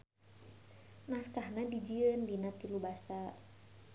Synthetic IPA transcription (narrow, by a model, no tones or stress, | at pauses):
naskahnadid͡ʒiənbinat̪ilubasa